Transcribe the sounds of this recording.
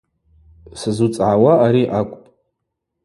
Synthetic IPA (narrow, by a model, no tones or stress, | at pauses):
sɨzut͡sʼʕawaʔːɾiʔakʷʼpʼ